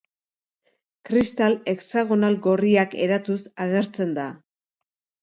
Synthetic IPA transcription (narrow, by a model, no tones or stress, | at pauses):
kɾist̪ale̞ksaɣ̞o̞nalɡo̞riake̞̰ɾat̪usaɣ̞e̞ɾt͡se̞nd̪a